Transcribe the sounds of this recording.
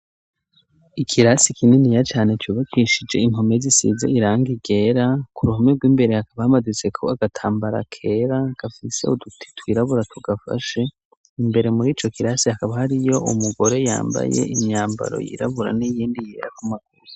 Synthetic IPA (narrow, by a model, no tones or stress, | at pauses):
ikʰiɾasikʰininijat͡ʃaːne̞t͡ʃuːβakʰiʃid͡ʒe̞̰imho̞me̞zisḭzḛiɾaːŋɡiɡe̞ːɾakuɾuhomebɡwiːmbe̞ɾe̞hakaβahamadut͡se̞kʰo̞aɡatʰaːmbaɾa̰kʰe̞ɾaɡafise̞udutʰi̥twiːɾaβuɾatʰuɡafa̰ʃe̞ | imbe̞ɾe̞muɾiːt͡ʃo̞kiɾasihakaβahaɾijo̞ʔumuɡo̞ɾe̞ja̰ːmba̰je̞̰ʔimɲaːmba̰ɾo̞̰jḭːɾa̰βuɾa̰nijiːndije̞̰ːɾakumaɡuɾi